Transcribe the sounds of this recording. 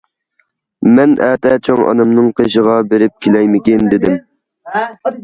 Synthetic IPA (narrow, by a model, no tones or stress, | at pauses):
mɛnʔɛːt̪ɛt͡ʃʰoŋɑ̰nɨmnɨŋqʰeʃəʁɑbeɾɪp̚kʲʰilɛjmɪkʲɪnd̪ɪd̪ɪm